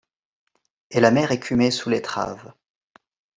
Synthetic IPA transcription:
elamɛʁekʰʲymesulet̪χa̰v

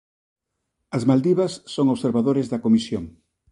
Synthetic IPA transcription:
ɐzmald̪iβɐsːoŋoβseɾβaðoɾezðɐkomisjoŋ

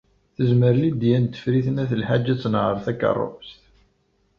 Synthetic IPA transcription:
θəzməɾlid̪jænt̪ːə̥fɾiθənæθəlħad͡ʒːæt͡sːnʁəɾˤθækːə̰rˤːo̰məst̪

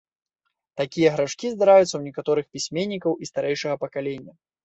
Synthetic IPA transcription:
t̪akʲijɐɣɾaʂkʲizd̪aɾajut̪sɐwnʲɛkat̪ɔɾɨxpʲisʲmʲenʲːikɐwist̪aɾɛjʂɐɣɐpɐkalʲenʲːɐ

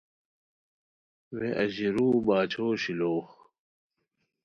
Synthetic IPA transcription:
weʔɐʑiɾuːbaːt͡ɕʰoːɕiloːx

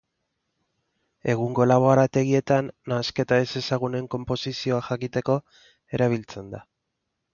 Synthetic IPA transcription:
e̞ɣ̞uŋɡo̞laβ̞o̞aɾat̪e̞ɣ̞ie̞t̪anːaske̞t̪aese̞saɣ̞une̞ŋko̞mpo̞sisio̞axakit̪e̞ko̞ | e̞ɾaβ̞ilt͡se̞nd̪a

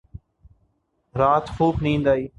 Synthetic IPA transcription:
ɾaːt̪xuːpnĩːnd̪aːiː

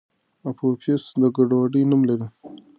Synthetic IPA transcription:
apʰopʰesd̪əɡaɖwaɖənumlaɾi

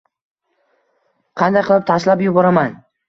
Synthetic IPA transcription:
qʰɑnd̪ajqʰɨlˠɪp̚t̪ʰaʃlapjʊbɒɾaman

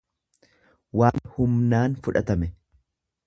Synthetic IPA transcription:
waːnhʊmnaːnfʊᶑɐt̪ɐmɛ

